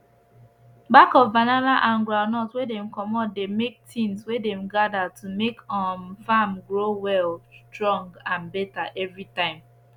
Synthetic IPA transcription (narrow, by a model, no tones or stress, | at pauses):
bakɔvvananaʔãnɡɹaʊnɔtwedɛ̃mkɔmɔt̚demek̚tʰĩnswedɛ̃mɡadatʰumekɔnfamɡɹowɛlstɹɔ̃ŋɡãnbɛtaʔɛvɹitãɪ̃m